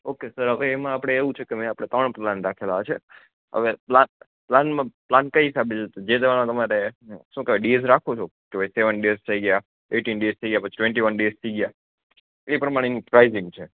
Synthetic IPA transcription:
okesəɾɦəʋeːmãapɽ̃eːʋũt͡ʃʰekemɛ̃apɽ̃et̪əɳ̃planɾakʰelaet͡ʃʰe | ɦə̰ʋeplan | planmãplankəɦisabət͡ʃet̪od͡ʒed̪eʋaɭmãt̪əmaɾeʃũkeʋeɖiezɾakʰot͡ʃʰokeoseʋənɖest̪ʰəiɡja | eʈinɖiest̪ʰəiɡəjapət͡ʃʰi̥ʈʋẽɳʈiʋənɖezt̪ʰəiɡəja | eipəɾəmaɽ̃enipɾaizɪ̃ŋɡt͡ʃʰe

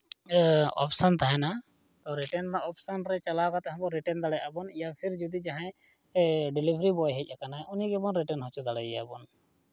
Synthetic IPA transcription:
ɔ̰psant̪aɦɛna | t̪ɔɾɛʈɛnɾaʔɔpsanɾɛt͡ʃalakat̪ɛɦãbɔɾɛʈɛnd̪aɽɛabɔnijapʰiɾd͡ʒud̪id͡ʒaɦãj | ɖilibʱɾibɔjɦɛc̚ʔakanaɛʔuniɡɛbɔnɾɛʈɛnɦɔt͡ʃud̪aɽɛjɛa̰bɔn

